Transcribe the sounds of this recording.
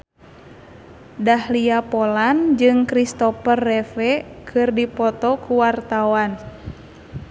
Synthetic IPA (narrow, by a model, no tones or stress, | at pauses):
dahliapɔland͡ʒɨŋkɾist̪ɔpərːɛfɛkʰɨrdipɔt̪ɔkuwart̪awan